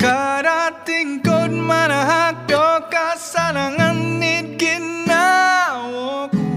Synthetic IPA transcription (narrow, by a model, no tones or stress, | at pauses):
kaɾat̪iŋkonmaɾaɦaɖɔkasanaŋanːikinːaw